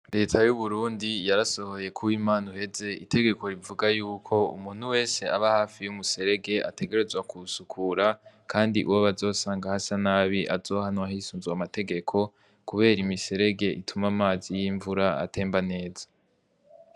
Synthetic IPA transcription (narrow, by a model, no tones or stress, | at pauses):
ɾe̞ːtʰajuβuɾuːndijaɾaso̞ho̞je̞kʰuwimaːnuhe̞ze̞itʰe̞ɡe̞ko̞ɾivuɡajuːkʰo̞ṵmuːn̥huwe̞ːse̞aβahaːfijumuse̞ɾe̞ɡe̞ʔa̰tʰe̞ɡe̞ɾe̞zwakʰusukʰuɾakʰaːndiʔuwoβazo̞ːsaːŋɡahasanaβiʔazo̞ːhanwahisuːnzuamate̞ɡe̞kʰo̞ | kuβe̞ːɾimise̞ɾe̞ɡe̞ʔitʰumamaːzijiɱvuɾaa̰tʰe̞ːmbane̞ːzḁ